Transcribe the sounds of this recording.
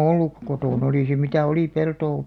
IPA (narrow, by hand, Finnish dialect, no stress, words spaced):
olːuk kotoˑn oliˑ se mitæ oli peltoː